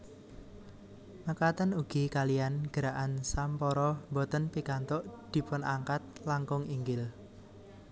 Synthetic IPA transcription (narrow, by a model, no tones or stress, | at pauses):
nəkat̪ənuɡ̥ikalijanɡ̥əɾaʔansampɔɾɔmbɔt̪ənpikant̪ʊʔd̪̥i̤pʊnʔaŋkat̪̚laŋkʊŋiŋɡɪl